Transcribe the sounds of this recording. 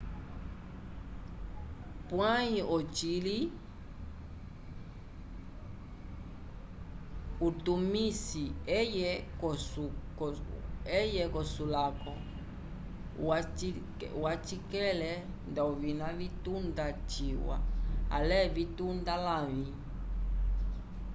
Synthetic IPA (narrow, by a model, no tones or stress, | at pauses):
pwaiʔɔt͡ʃili | utumisiɛjɛkɔsu | ɛjɛkɔsulakɔ | wai | wat͡ʃikɛlɛ | ndauvinavitundat͡ʃiwa̰a̰lɛvitundalami